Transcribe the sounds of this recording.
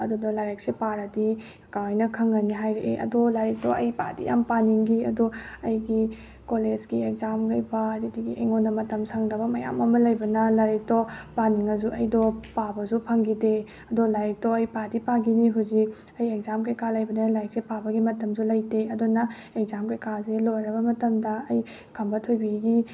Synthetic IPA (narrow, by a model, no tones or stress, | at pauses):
ɐdudɔlaɾek̚sepaɾɐdi | kawajnɐkʰɐŋɡɐniɦajɾeʔeʔɐ̰dolaɾek̚tɔʔɐjpa̰dḭja̰mpaniŋɡiɐ̰doɐjɡi | koled͡ʒɡiek̚zamɡɐjbɐdidiɡiʔejŋonːɐmɐtɐmsaŋɾɐbɐmɐja̰mɐmɐlɐjbɐnɐlaɾek̚tɔpaniŋɐzuʔɐjdɔpabɐzupʰaŋɡide | ɐdɔlaɾik̚tɔɐjpadipaɡiniɦuzik̚ | ɐjek̚zamkajkalɐjbɐnɐlajk̚sepabɐɡimɐtɐmzulɐjdeɐdunɐ | ek̚zamkajkazelojɾɐbɐmɐtɐmdɐːj | kʰɐmbɐtʰojbiɡi